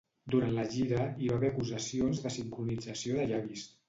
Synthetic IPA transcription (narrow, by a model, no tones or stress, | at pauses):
d̪uɾant̪ləʒiɾəiβaβɛɾəkuzəsionzðəsiŋkɾunid͡zəsioðəʒaβis